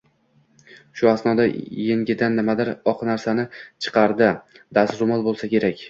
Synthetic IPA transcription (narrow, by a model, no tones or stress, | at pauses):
ʃʊasnɒd̪ajeŋɡʲɪd̪anːɪmad̪ɪɾɒqnaɾsanɪt͡ʃʰɨ̥qʰɑɾd̪ɪ | d̪asɾʊmɒlˠbolˠsakʲʰe̞ɾakʲ